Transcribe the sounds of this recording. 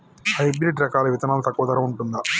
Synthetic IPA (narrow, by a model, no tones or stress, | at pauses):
hɐjbɾiʈɾɐkaːlɐʋit̪ɐnaːlut̪ɐkːuʋɐt̪ɐɾɐuɳʈund̪ɐ